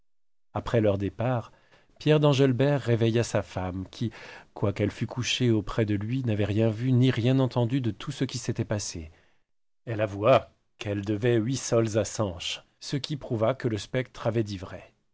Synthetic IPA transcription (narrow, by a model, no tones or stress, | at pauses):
apχɛlœʁd̪epaʁ | pjɛʁd̪ɑ̃ʒɛlbɛʁːevɛjasafamkʲʰikwakɛlfykʰuʃeopχɛd̪əlɥinavɛʁjɛ̃vyniʁjɛ̃nɑ̃t̪ɑ̃d̪yd̪ət̪ʰusəkʲiset̪ɛpasḛ | ɛlavua | kɛld̪əvɛɥisɔlzasɑ̃ʃ | səkʲipχuvakələspɛk̚t̪χavɛd̪ivʁɛ